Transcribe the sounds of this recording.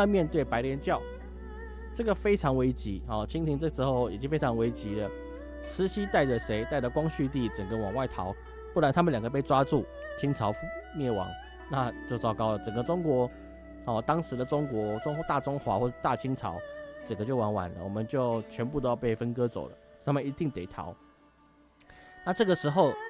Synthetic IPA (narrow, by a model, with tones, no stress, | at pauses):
na˥˧mjɛ˥˧nt̪we˥˩ɪpa˧ɪljɛ˧˥nt͡ɕjɑ˥˩ʊ | ʈ͡ʂə˥˩ɡə˩fe˥ɪʈ͡ʂʰɑ˧˥ŋwe˧˥ɪt͡ɕi˧˥˦hɔ˨˩t͡ɕʰi˥ŋt̪ʰi˧˥ŋt͡sɤ˥˩ʂ̩˧˥xo˥˩ʊjt͡ɕi˥ŋfe˥ɪʈ͡ʂʰɑ˧˥ŋwe˧˥ɪt͡ɕi˧˥lə˨ | ʂɻ̩˧˥ɕi˥t̪a˥˩ɪʈ͡ʂə˩ʂe˧˥ɪt̪a˥˩ɪdə˨˩kwɑ˥ŋɕy˥˧t̪̬i˥˩t͡sə˨˩ŋɡə˦wɑ˨˩ŋwa˥˩ɪt̪ʰɑ˧˥ʊ | pu˥˩la˧˦nt̪ʰa˥mə˨nljɑ˨˩ɡə˦p̬e˥˩ɪʈ͡ʂwa˥t͡su˥˩t͡ɕʰi˥ŋt͡sʰɑ˧˥ʊ˥mjɛ˥˩wɑ̰˨˧˥ŋ | na˥˧t͡ɕjo˥˧ʊt͡sɑ˥˧ʊkɑ˥ʊlə˨˩t͡sə˨˩ŋɡə˦ʈ͡ʂʊ˥ŋkwɔ˧˥ | hɔ˥˨˩t̪ɑ˥ŋʂɻ̩˧˥d̪ə˨ʈ͡ʂʊ˥ŋkwɔ˧˥t̪a˥˩ʈ͡ʂʊ˥ŋxwa˧˥xwɔ˥˧ʂɻ̩˥˧t̪a˥˨t͡ɕʰi˥ŋt͡sʰɑ̰˧˥˦ʊt͡sə˨˩ŋɡə˦t͡ɕjo˥˩ʊwɑ˧˥ŋwa̰˨˩nlə̰˦wɔ˨˩mə˦nt͡ɕjo˥˩ʊt͡ɕʰɥɛ˧˥np̬u˥˩o˥ʊjpe˥˩ɪfə˥nkɤ˥t͡so̰˨˩ʊlə̰˦˧t̪ʰa˥mə˨i˧t̪i˥˩ŋt̪e˨˩ɪt̪ʰɑ̰˧˦ʊ | na˥˧ʈ͡ʂɤ˥˩ɡə˩ʂɻ̩˧˥xo˥˧ʊ